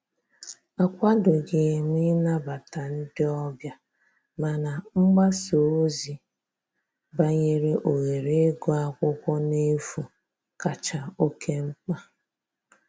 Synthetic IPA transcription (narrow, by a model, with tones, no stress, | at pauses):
a˨kʷa˦dʊ˨ɡɪ˨mi˦na˦ba˨ta˨n̩˦dɪ˦ɔ˦bja˦ | ma˨na˨ŋ͡m̩˦ɡ͡ba˦so˨˦zi˦ | ba˦ɲe˦ɾe˦ʔo˨ɣe˨ɾe˦ɡo˦a˦kʷʊ˦kʷɔ˦ne˦fu˨ | ka˨t͡ʃa˨o˦ke˦ŋ͡m̩˦k͡pa˦